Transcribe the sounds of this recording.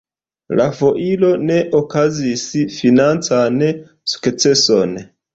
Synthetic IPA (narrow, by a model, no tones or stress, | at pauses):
lafoʔilone̞ʔokazisifinant͡san | su̥kt͡seson